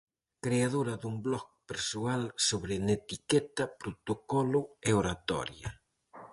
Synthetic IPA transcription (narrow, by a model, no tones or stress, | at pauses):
kɾeaðoɾɐðuŋblɔk̚peɾsualsoβɾenet̪ikɛt̪ɐpɾot̪okɔlʊeoɾat̪ɔ̰ɾjɐ̰